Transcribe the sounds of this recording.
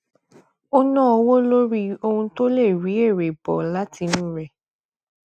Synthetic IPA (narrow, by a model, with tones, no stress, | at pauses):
o˦nãː˦ɔ˧wo˦lo˦ɾi˦o˧hũ˧to˦le˦˨ɾi˨˦e˦˨ɾe˨bɔ˨la˦ti˧nĩ˦ɾɛ˨